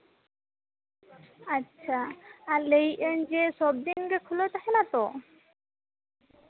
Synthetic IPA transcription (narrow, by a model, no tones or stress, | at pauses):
atːʃʰaaɾlejʔend͡ʑeʃɔb̚d̪inɡekʰulot̪aɦenat̪o